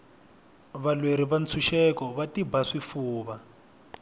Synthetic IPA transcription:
βalweɾiβant͡sʰuʃɛkɔβatibaʂifuːβa

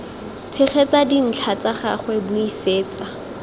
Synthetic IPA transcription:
t͡sʰɪχɛt͡sadin̩t͡ɬʰat͡saχa̰χwɛbuiseːt͡sa

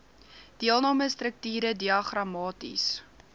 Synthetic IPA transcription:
d̥iəlˠnɑːməstrək̚tiːɾədiɐχrɐmɑːtḭs

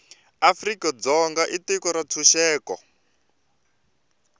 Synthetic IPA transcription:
afrikɔd͡zɔŋɡaʔitikɔɾat͡sʰuʃɛːkɔ̰

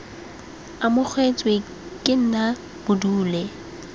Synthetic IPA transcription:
amʊk͡xʰwet͡sʼwe | kʼɪn̩na | b̥ʊduːlɛ

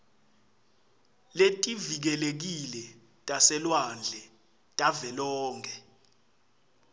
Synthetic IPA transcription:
letʼivik̬ɛlek̬ilɛ | tʼasɛlwand͡ɮʱɛ | tʼavɛlɔːŋkʰɛ

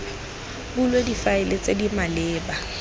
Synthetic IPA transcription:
bulwedifaɪlet͡sʼedimalɪːba

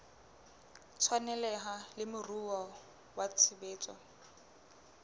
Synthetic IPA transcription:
t͡sʰwanɛlɛɦalɪmʊruɔ | wat͡sʰɪbeːt͡sʼɔ̰

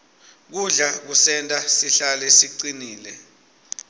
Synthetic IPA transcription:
k̬uɮak̬usɛntʼasiɬalɛsiǀiniːlɛ

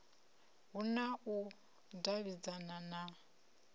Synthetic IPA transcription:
ɦunau | daβid͡zanana

